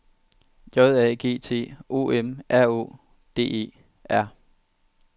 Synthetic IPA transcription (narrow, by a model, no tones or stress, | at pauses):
jɒðˠɛɡ̥e̝̰ːt͡sʰe̝̰ːo̝̰ːemæɐ̰o̝̰ː | d̥e̝̰ːe̝̰ː | æɐ̰